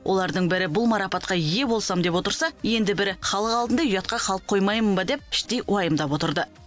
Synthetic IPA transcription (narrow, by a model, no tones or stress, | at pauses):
wʔo̞lˠɑɾd̪əɴbɪɾɪbʊlˠmɑɾɑpɑt̪̚qɑije̞bo̞lˠsɑmd̪e̞pwo̞t̪əɾsɑje̞nd̪ɪbɪɾɪχɑlˠəqɑlˠd̪ənd̪ɑjʏjɑt̪̚qɑqʰɑlˠəp̚qʰːo̞jmɑjmənbɑd̪e̞p̚ɪ̥ʃt̪e̞jʔwɑjəmd̪ɑpwo̞t̪əɾd̪ə